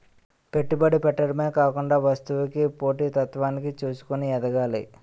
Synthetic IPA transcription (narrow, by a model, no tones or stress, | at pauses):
pe̞ʈːubɐɽipɛʈːɐɾmeːkaːkuɳɖaːʋɐst̪uʋikipo̞ːʈiːt̪ɐt̪ʋaːnikit͡ʃuːsu̥kuniɛd̪ɐɡaːlḭ